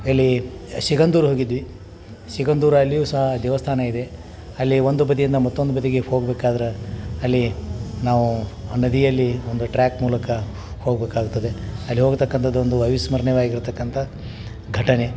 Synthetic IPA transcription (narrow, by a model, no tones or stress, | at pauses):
ɐlːiʃiɡɐnd̪uːɾɦoːɡid̪ʋi | ʃiɡɐnd̪uːɾɐɐlːijuːsɐɦɐd̪ɛʋɐst̪ʰaːnɐid̪e̞ | ɐlːio̞nd̪ubɐd̪ijind̪ɐmɐt̪ːond̪ubɐd̪iɡe̞ho̞ːɡbeːkaːd̪ɐɾeɐlːinaːʋunɐd̪ijɐlːio̞nd̪uʈɾaːkmuːlɐkɐ | hoːɡbeːkaːɡut̪ːɐd̪e̞ɐlːiɦo̞ːɡt̪ɐkːɐnt̪ʰɐd̪ːuond̪uɐjʋismɐɾɐɳɛʋaːɡiɾt̪ɐkːɐnt̪ʰɐ | ɡʱɐʈɐne̞